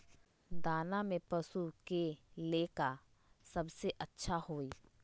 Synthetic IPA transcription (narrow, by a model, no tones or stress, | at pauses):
d̪aːnamẽpɐsukeleːka | sɐbseʔɐtːʃʰahoːiː